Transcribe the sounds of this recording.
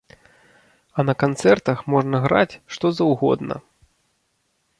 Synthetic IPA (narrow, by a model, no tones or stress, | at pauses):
ɐnɐkant̪sɛrt̪ɐxmɔʐnɐɣɾa̰t͡sʲʂt̪ɔzɐwɣɔ̰d̪nɐ̰